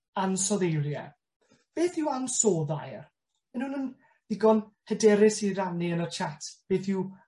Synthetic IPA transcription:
ansɔðejlˠjɛ̰ | b̥eːθɪwansoːðajr | mɛnunən | ðɪɡɔnhədɛɾɪsiraniənərt͡ʃʰatʰb̥eːθɪw

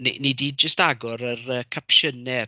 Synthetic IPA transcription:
nḭnidiːd̚d͡ʒəstaɡɔɾərəːkʰapʃənɛ

